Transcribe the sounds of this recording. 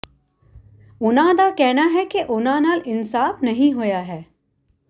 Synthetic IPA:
ʊnãːd̪akɛɦnaɦɛkeʔʊnãnaːlɪnsaːfnɐɦĩɦojaɦɛː

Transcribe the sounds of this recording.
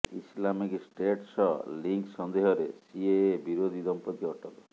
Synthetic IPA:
ḭslamiksʈeʈsɔliŋksɔnd̪eɦɔɾesiebiɾod̪ʱid̪ɔmpɔt̪iɔʈɔlɔ

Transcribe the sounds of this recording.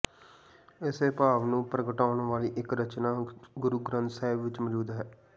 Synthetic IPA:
ɪseːpaːʋnũːpɾəɡəʈaːʊɳʋaːliːʔɪkɾət͡ʃnaːɡʊɾuːɡɾə̃nt̪sɛːɪbʋɪt͡ʃməd͡ʒuːd̪ɦɛː

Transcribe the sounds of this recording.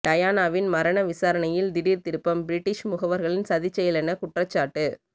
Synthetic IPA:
ʈ̪ɐjaːnaːʋɪnmɐɾɐnɐʋɪsaːɾɐnɐjɪld̪ɪɽiːɾt̪ɪɾɯpːɐmbɪɾɪʈːɪʂmʊɣɐʋɐɾɣɐɭɪnsɐðɪt͡ʃːɐjɪlɛnɐkʊʈrɐt͡ʃːaːʈːɯ

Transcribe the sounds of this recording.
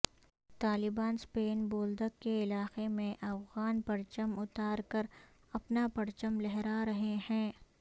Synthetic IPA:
t̪aːlɪbaːnspeːnboːld̪əkkeɪlaːqemẽʔɐfɣaːnpɐɾt͡ʃəmʊt̪aːɾkəɾ | ɐpnapɐɾt͡ʃəmlɛɦɾaɾɐɦehɛ̃ː

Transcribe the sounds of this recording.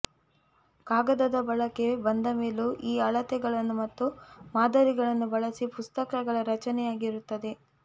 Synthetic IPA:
kaːɡɐd̪ɐd̪ɐbɐɭɐke̞bɐnd̪ɐme̞ːluʔiːɐɭɐt̪ɛɡɐɭɐnːumɐt̪ːumaːd̪ɐɾiɡɐɭɐnːubɐɭɐsipust̪ɐkɐɡɐɭɐɾɐt͡ʃɐnɛjaːɡiɾut̪ːɐd̪e̞

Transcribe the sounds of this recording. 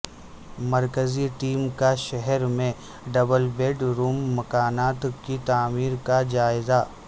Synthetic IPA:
mɐɾkəziʈiːmkaʃɛɦɛɾmẽ | ɖɐbəlbeːɖɾuːmːɐkaːnaːt̪kit̪aːmiːɾkad͡ʒaːɪza

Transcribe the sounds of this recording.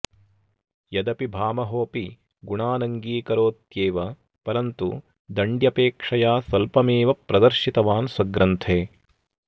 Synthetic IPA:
jɐd̪ɐpibʱaːmɐɦoːpi | ɡuɳaːnɐŋɡiːkɐɾoːt̪jeːʋɐ | pɐɾɐnt̪ṵ | d̪ɐɳɖjɐpeːkʂɐjaːsɐlpɐmeːʋɐpɾɐd̪ɐɾʃit̪ɐʋaːnswɐɡɾɐnt̪ʰeː

